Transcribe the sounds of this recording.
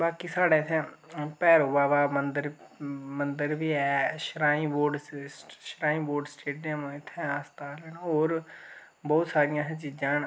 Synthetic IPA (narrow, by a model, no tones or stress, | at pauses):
baːkiːsaːɽeːt̪ʰɛ̃ːpɛːɾoːbaːʋaːmənd̪əɾmənd̪əɾʋiːɛːʃɾaːĩːboːɾɖsʃɾaːĩːboːɾɖsʈeːɖijəmɪt̪ʰːɛ̃ːaːst̪aːlɛnoːɾ | bɔːt̪saːɾɪjãːɦɛ̃ːt͡ʃiːd͡ʒãːn